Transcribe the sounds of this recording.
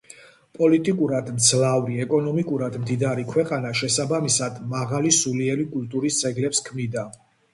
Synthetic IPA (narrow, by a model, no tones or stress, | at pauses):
pʼɔlit̪ʼikʼuɾad̪mt̪sʰlavɾiɛkʼɔnɔmikʼuɾad̪md̪id̪aɾikʰwɛqʼanaʃɛsabamisad̪maʁalisuliɛɾikʼulˠt̪ʼuɾisd̪zɛɡlɛpskʰmnid̪a